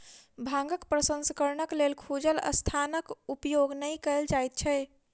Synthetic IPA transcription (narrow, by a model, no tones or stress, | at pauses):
bʱãŋɡəkpɾəsə̃nsəkəɾnəklelkʰud͡ʒələ̰st̪ʰanəkupjoɡnəjkəeld͡ʒajt̪̚t͡ʃʰɛ